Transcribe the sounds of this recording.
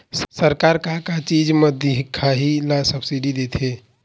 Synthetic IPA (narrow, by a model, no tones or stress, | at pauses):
səɾkaɾkakat͡ʃid͡ʒmẽd̪iɦkʰaɦilasəbsiɖid̪et̪ʰɦe